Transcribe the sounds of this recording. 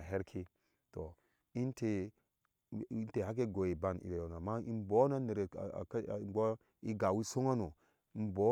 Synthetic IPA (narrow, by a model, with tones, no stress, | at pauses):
ɦe˦ɾkʰi˦ | to˨ | i˦nte˨ | i˦n˦te˨ha˦k̬e˦ɡo˨ji˨ba˦˨nḭ˨ɾe˨jo˨na˨ma˦i˦nbo˨˦na˦ne˨ɾḛ˨kbo˦ | i˦ɡa˨wi˦so˦ŋa˦no˨ | i˨˦n˦bo˦